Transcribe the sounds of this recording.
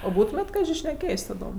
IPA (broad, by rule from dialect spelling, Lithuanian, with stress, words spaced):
oː ˈbuːtʊmʲeːtʲ ˈkɑːʒʲɪ ʃʲnʲɛˈkʲeːjsʲ tɐˈdoːm